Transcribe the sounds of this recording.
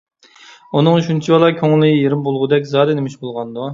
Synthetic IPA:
unɨŋyʃunt͡ʃʰibɑlˠɑkʲʰoŋlːɪjeɾɪmbolˠʁʊd̪ɛkʲzɑːd̪ɪnɪmɪʃbolˠʁɑnd̪u

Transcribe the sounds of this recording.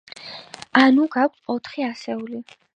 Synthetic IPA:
anuɡak̚ʷʰɔt̪ʰχiasɛuli

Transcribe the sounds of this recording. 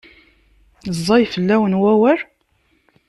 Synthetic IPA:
zˤːɑjfəlːæwənwæwəɾ

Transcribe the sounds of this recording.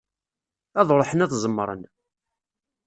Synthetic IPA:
æðˤɾˤħənæθzˤəmːɾˤə̰n

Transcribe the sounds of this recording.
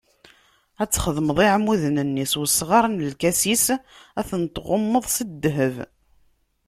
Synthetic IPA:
æt͡sːχəðməðˤiʕmuðnənːiswəsːʁɑɾˤnəlkæsisæθənt̪ʁʊmːəðˤsəd̪ːɦəv

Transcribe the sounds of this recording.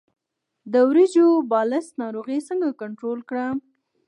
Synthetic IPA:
d̪əwɾid͡ʒobɑlɪst̪nɑɾoɣisəŋɡakaɳʈɾolkɽa

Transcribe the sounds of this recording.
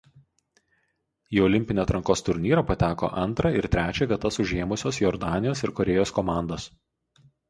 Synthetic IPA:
iːɔlʲɪmʲpʲɪnʲeːt̪ɾɐŋkoːst̪ʊɾʲnʲiːɾɐpɐt̪ʲæːko̰ʔɐnˑt̪ɾɐɪɾt̪ʲɾʲæːt͡ʃʲɛʋʲiɛt̪ɐsʊʒʲeːmʊsʲoːsjɔɾd̪ɑːnʲɪjoːsɪɾkɔɾʲɛjoːskɔmɑˑnd̪os

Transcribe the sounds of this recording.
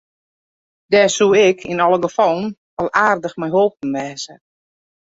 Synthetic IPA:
d̥ɛːsuɪkʰinɔlˠəɡəfɔlˠən̩ | ɔlˠaːrdəxmɛjɦolˠp̚n̩ʋɛːzə

